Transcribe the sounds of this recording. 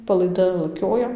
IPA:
pɐlˠɐɪˈdɐ lˠɐˈkʲoːjɛ

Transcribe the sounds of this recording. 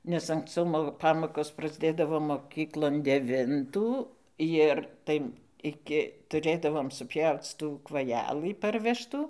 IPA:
nʲɛs ɐŋksˈt͡sɐʊ moː ˈpɑːmoːkoːs prɐzʲˈdʲeːdɐʋoː moːˈkʲiːklˠoːn dʲɛˈʋʲɪntuː ˈjɪr ˈtɐɪ ˈɪkʲɪ tʊˈrʲeːdɐʋoːm sʊˈpʲjɛʊt͡s ˈtuː kʋɐˈjæːlˠɨ ˈpɐrʲʋʲɛʃtuː

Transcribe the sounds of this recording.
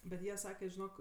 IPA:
bʲɛt ˈjiɛ ˈsɑːkʲɛ ʒʲɪˈnoːk

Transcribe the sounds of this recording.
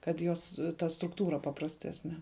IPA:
kɐt ˈjoːs ˈtɐ strʊkˈtuːrɐ pɐprɐsʲˈtʲæːsʲnʲɛ

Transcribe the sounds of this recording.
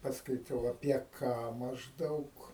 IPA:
pɐskɐɪˈtɐʊ ɐpʲiɛ ˈkɑː mɐʒˈdɐʊk

